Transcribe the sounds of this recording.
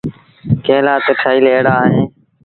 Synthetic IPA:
keːlaːt̪eːʈʰaːiːleːɽaːɦeː

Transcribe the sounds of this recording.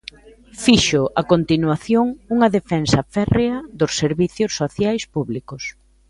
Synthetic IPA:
fiʃʊʔakont̪inwaθjoŋuŋɐðefɛnsɐfɛreɐðʊsːeɾβiθjʊsːoθjajspuβlikʊs

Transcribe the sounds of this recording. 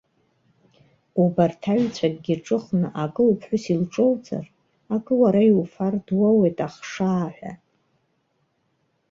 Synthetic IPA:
ubartʰaɥt͡sʷʰakʼɡʲiʈ͡ʂʼɨχnɨʔakʼɨlwpʰħʷʊsilʈ͡ʂʼowt͡sʰʼa̰r | akʼɨwaɾaiwfardwawejtʼaχʂaːħʷᶣa̰

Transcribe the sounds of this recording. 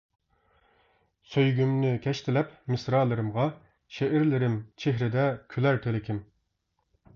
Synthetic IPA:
søjɡʲymnɪkʲʰɛʃt̪ʰɪlɛpmɪsɾɑːlˠɨɾɨmʁɑ | ʃeʔɪɾlɪɾɪmt͡ʃʰeɦɾɪd̪ɛkʲʰylæɾt̪ʰelɪkʲʰɪm

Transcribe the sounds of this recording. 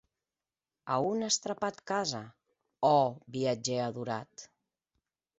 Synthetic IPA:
aunast̪ɾapat̪kaza | ɔbiad͡ʒeaðuɾat̪

